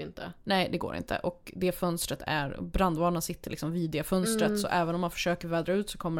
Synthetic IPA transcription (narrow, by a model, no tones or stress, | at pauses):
ɪnt̪ʰə̰nɛɪd̪ɛɡo̰ːɾɪ̰nt̪ʰə̰ʔɔkd̪ɛfœnst̪ɾət̪ʰæ̰ɾ̰bɾand̪vɑːnənsɪt̪ʰːəlɪksɔmviːd̪efœnst̪ɾət̪sɔ̰ʔɛːvənɔmːanfœ̥ʂøːkəɾvɛːd̪ɾaʉ̟ːt̪sɔ̥kʰɔmːə